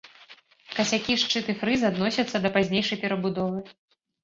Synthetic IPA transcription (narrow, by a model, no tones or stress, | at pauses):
kɐsʲakʲiʂt͡ʂɨt̪ɨfɾɨzad̪nɔsʲɐt̪sːɐd̪ɐpazʲnʲejʂɐjpʲɛɾɐbud̪ɔvɨ